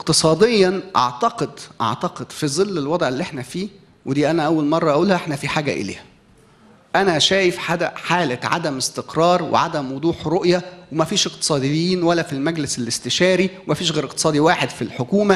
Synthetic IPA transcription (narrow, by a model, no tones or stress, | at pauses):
ʔeqt̪ɨsˤɑːd̪ejːɑnʔɑ̰ʕt̪ɑqed̪ʔɑ̰ʕt̪ɑqed̪̥fizˤɨlːelwɑd̪ˤʕelːiʔeħnæfiː | wed̪iːʔænæʔæwːælmɑrˤːɑʔæʔuːlhæʔeħnæfiħaːɡæ̰ʔḛlḛːhæ | ʔænæʃæːjefħad̪æħaːlæʕa̰d̪æmest̪eqɾˤɑːɾˤwḛʕa̰d̪æmwod̪ˤuːħɾoʔjæwemæfiːʃeq̚t̪ɨ̥sˤɑːd̪ejːiːnwælːæfilmæɡleselest̪eʃæːɾiwemæfiːʃ̬ɣeːɾeqt̪ɨ̥sˤɑːd̪iwaːħed̪filħokuːmæ